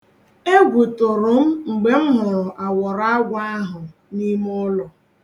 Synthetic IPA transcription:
e˦ɡʷu˨tʊ˨ɾʊ˨m̩˦ŋ͡m̩˨ɡ͡be˨m̩˦mʊ˨ɾʊ˨ʔa˨wɔ˨ɾa˦ɡʷa˦ɦʊ˨ | ni˦m˦ʊ˦lʊ˨

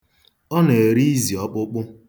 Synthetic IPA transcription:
ɔ˦ne˨ɾi˦i˦zi˨ɔ˦k͡pʊ˦k͡pʊ˦

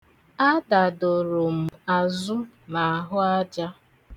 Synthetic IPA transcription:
a˦da˨do˨ɾʊ˨m̩˨a˨zʊ˦ | na˨a˨ɦʊ˦a˦d͡ʒa˦

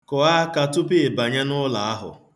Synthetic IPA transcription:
kɔ˨a˦ka˨tʊ˦pe˦e˨ba˨ɲa˦nʊ˦la˨a˦ɦʊ̰˨

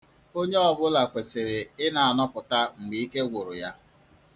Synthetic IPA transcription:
o˦ɲe˦ɔ˨bʊ˦la˨kʷe˨se˨ɾe˨ɪ˦na˨a˨nɔ˦pʊ˨ta˦ŋ͡m̩˨ɡ͡bi˨i˦ke˦ɡʷʊ˨ɾʊ̰˨ja˦

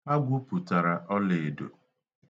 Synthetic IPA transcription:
a˦ɡʷʊ˦pu˨ta˨ɾa˨ʔɔ˦le˨do̰˨

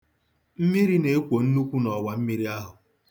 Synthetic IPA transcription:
m̩˦mi˦ɾi˦ne˨e˦kʷo˨n̩˦nu˦kʷu˦nɔ˨wa˨m̩˦mi˦ɾi˦a˦ɦʊ˨

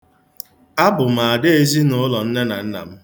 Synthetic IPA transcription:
a˦bʊ˨m̩˨a˨de˦e˦zi˦nʊ˦lɔ˨n̩˦ne˦na̰˨n̩˦na̰˨m̩˦

